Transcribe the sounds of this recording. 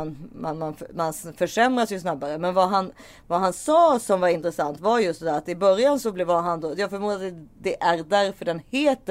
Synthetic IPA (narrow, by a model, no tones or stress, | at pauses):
nmanmanfmansfœʂɛmɾad̪sjɵsnabːaɾəmɛnvaɦan | vaɦansɑːsɔmvaɾɪnt̪ɾɛsant̪vaɾjɵst̪ɛd̪æːɾat̪ɪbœɾjansɔblɛvaɦand̪ojɑːɡfœɾmuːɾat̪d̪d̪ɛʔæɾd̪æɾfœɖɛnheːt̪ːə